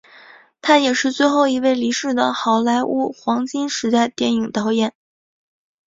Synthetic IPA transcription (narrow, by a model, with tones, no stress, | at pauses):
t̪ʰa˥jɛ˨˩ʂɻ̩˥˧t͡swe˥˧ɪxo˥˩ʊi˧˥we˥˩ɪli˧˥ʂɻ̩˥˩d̪ə˩xɑ˧˥ʊla˧˥ɪʔu˥˩xwɑ˧˥ŋt͡ɕi˥nʂɻ̩˧˥t̪a˥˧ɪt̪jɛ˥˩ni˨˩ŋt̪ɑ˧˥ʊjɛ˨˩˦n